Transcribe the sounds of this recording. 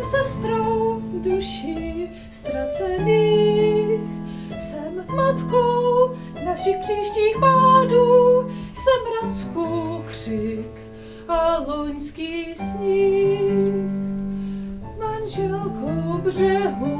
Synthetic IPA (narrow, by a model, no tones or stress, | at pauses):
sɛst̪ɾowduʃi | st̪ɾat͡sɛniː | x | sɛmvmat̪kow | naʃɪxpr̥iːʃciːxpaːduːsɛmbɾanskukr̥ɪk | aloɲskiːsɲi | manʒɛlkʰowbrɛɦu